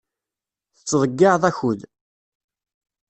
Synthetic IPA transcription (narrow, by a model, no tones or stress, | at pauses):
θə̥t͡sːðˤəɡːɪʕðˤæçʊð